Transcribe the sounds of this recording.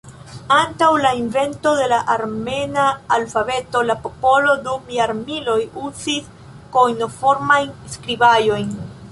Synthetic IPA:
antawlainve̞nto̞de̞laʔaɾme̞naːlfabe̞to̞lapo̞po̞lo̞dumiaɾmilo̞juzis | kojno̞fo̞ɾmajnskɾibajo̞jn

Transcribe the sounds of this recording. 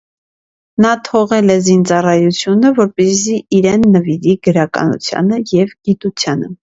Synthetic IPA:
nɑt̪ʰɔʁɛlɛzint͡sɑrɑjut͡sʰjunəvɔɾpɛziiɾɛnːəviɾiɡəɾɑkɑ̰nṵt͡sʰjɑ̰nəjɛvɡ̥it̪ut͡sʰjɑnə

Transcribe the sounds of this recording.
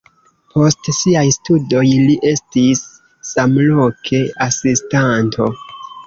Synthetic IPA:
pʰo̞stsiajstudo̞jliʔe̞stisː | amlo̞kʰe̞asistantʰo̞̰

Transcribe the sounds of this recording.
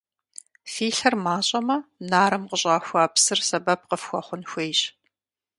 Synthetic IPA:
fiːɬɐrmaːɕʼɐmɐnaːɾɨmqəɕʼɑːxʷaːpsɨrsɐbɐp̚qəfxʷɔχʷʊnxʷeːjɕ

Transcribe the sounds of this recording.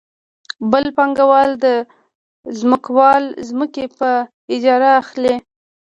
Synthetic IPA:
bəlpɑŋɡawɑld̪ə | zməkawɑlzməkepə | ɪd͡ʒɑɾaːxle

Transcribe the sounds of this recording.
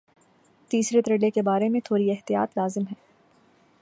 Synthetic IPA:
t̪iːsɾet̪ɾelekebaːɾemẽt̪ʰoːɾiɛɦt̪ija̰ːt̪laːzɪmɦɛː

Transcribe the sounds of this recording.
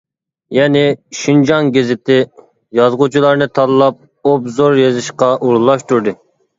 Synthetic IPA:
jɛnɪʃind͡ʒɑŋɡʲezɪt̪ɪ | jɑzʁut͡ʃʰilˠɑɾnɨt̪ʰɑlɨlˠɑp̚ | obzoɾjezɨʃqɑʔuɾlˠɑʃt̪uɾd̪ɨ

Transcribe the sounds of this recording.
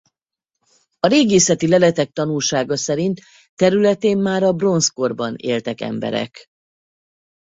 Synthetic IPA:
ɒɾeːɡeːsɛt̪ilɛlɛt̪ɛk̚t̪ɒnulʃaːɡɒsɛɾint̪ː | ɛɾylɛt̪eːmːaːɾɒbro̞nsko̞rbɒnḛːlt̪ɛkɛ̰mbɛ̰ɾɛ̰k

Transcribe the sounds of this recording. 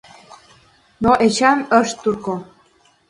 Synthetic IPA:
noʔet͡ɕɑməʃt̪ːurko

